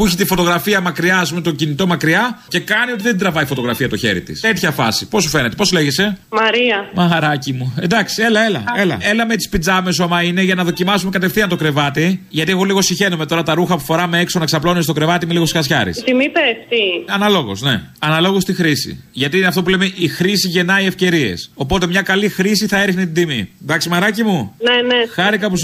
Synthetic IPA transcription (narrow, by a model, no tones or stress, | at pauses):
puiçit̪ifo̞t̪o̞ɣɾɐfiɐmɐkɾiɐɐspumet̪ocinit̪o̞mɐkɾiɐce̞kɐnio̞t̪iðe̞d̪ɾɐvɐifo̞t̪o̞ɣɾɐfiɐt̪o̞çe̞̰ɾḭt̪ḭst̪e̞t̪çɐfɐ̰sipo̞su̥fe̞net̪e̞po̞sle̞ʝese̞mɐɾiɐmɐɾɐcimuend̪ɐksie̞lɐe̞lɐ̰elɐ̰e̞lɐmet̪i̥spid͡zɐme̞s̬uɐmɐine̞ʝɐnɐðo̞cimɐsume̞kɐt̪efθiɐnt̪o̞kɾe̞vɐt̪iʝɐt̪ie̞ɣo̞liɣo̞siçe̞nome̞t̪o̞ɾɐt̪ɐɾuxɐpu̥fo̞ɾɐmeeksonɐksɐplonuest̪o̞kɾe̞vɐt̪imeliɣosi̥xɐsçɐ̰ɾḭst̪imipest̪iɐnɐlo̞ɣo̞̰sne̞̰ | ɐnɐlo̞ɣost̪ixɾisḭʝɐt̪iineɐft̪o̞pule̞meʔixɾisiʝe̞nɐie̞fce̞ɾie̞̰so̞po̞t̪e̞mɲɐkɐlixɾisiθɐe̞ɾixnet̪id̪imḭd̪ɐksimɐɾɐcimunenexɐɾikɐpus